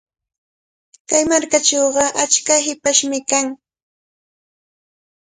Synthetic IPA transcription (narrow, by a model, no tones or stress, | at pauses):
kajmaɾkat͡ʃowɢɑʔat͡ʃkaɦɪpaʃmɪkaŋ